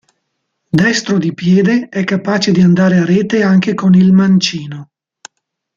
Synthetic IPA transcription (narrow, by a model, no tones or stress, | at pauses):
d̪ɛst̪ɾod̪ipjɛːd̪eɛkːapaːt͡ʃed̪iand̪aːɾeaɾɛːt̪eaŋkekonilmant͡ʃiːno